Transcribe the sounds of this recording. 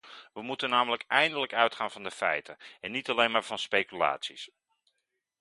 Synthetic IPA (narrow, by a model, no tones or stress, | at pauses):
ʋəmutənːaːmələkɛjndələkœɥtχaːnvɑndəfɛ̰jtənɛnːitɑlejnmaːɹv̥ɑnspejkyla̰ːtsis